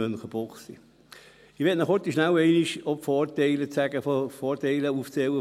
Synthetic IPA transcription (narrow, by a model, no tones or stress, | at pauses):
ønχəb̥ɔχsḭ | ɪʋɛtnɔχɔt̪iʃnæwɛɪniʃɔpfɔːɾtɛɪlət͡sæɡəfofɔːtɛɪləuft͡sɛwə